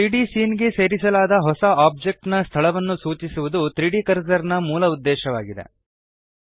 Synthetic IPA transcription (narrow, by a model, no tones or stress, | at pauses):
t̪ɾiɖisiːnɡe̞se̞ːɾisɐlaːd̪ɐɦɔsɐaːb̚d͡ʒek̚ʈnɐst̪ʰɐɭɐʋɐnːusuːt͡ʃisuʋud̪ut̪ɾiːɽikɐɾsɐɾnɐmuːlɐud̪ːɛːʃɐʋaːɡid̪ḛ